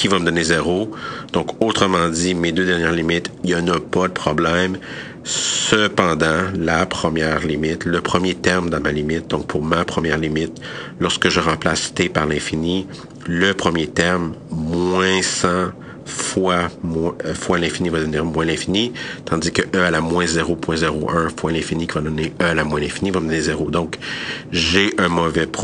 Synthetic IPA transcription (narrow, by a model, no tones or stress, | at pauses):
kʲivaməd̪ɔnezeʁod̪̥ɔ̃kot̪χəmɑ̃d̪imed̪ød̪ɛʁnjɛːʁlimɪt̪iɑnɔpad̪əpχɔblɛm | səpɑ̃d̪ɑ̃lapχəmjɛːʁlimɪt̪ləpχəmjet̪ɛʁmd̪ɑ̃malimɪt̪̚d̪ɔ̃k̚pʰuʁmapχəmjɛːʁlimɪt̪lɔʁskəʒəʁɑ̃plast̪epaʁlɛ̃fini | ləpχəmjet̪ɛʁmmwɛ̃sɑ̃ | fwamwɛ̃fwalɛ̃finivad̪əvniːʁmwɛ̃lɛ̃finit̪ɑ̃d̪zikəʔœalamwɛ̃zeʁopwɛ̃zeʁoʔɜ̃fwalɛ̃finikʲivad̪neœalamwɛ̃lɛ̃finivad̪ɔnizeʁod̪ɔ̃kʒeʔœ̃mɔvɛp